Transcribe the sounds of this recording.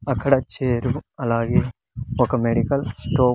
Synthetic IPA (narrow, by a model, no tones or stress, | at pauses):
ɐkʰːɐɽat͡ʃeːɾuɐlaːɡe | okɐmeːɖikɐlsʈoː